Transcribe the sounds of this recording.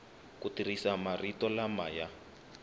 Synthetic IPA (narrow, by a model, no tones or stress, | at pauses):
kutirisamaritɔlamaja